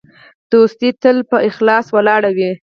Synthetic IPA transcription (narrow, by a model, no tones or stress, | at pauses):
d̪̥ost̪it̪əlpəʔɪxlɑswalɑɽawi